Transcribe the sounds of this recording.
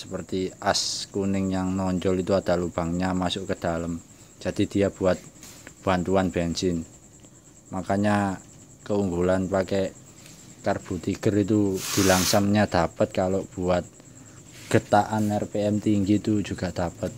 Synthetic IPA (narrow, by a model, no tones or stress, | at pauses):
səpərt̪iʔaskunɪŋjaŋnɔɲd͡ʒɔlit̪uad̪̥a̤lub̥a̤ŋɲamasʊʔkəd̪̥aləm̥ | d͡ʒ̥a̤d̥̪id̪̥ijab̥uat̪̚b̥ant̪uanb̥ansɪn | makaɲa | kəuŋɡulanpakɛ | karb̥ṳt̪iɡ̥ərit̪ud̪̥i̤laŋsaŋɲad̪̥apət̪̚kalob̥uat̪̚ | ɡ̥ə̤t̪aʔanɛrpeɛmt̪iŋɡit̪u̥d͡ʒ̥ṳɡ̥a̤ʔd̪̥apət̪̚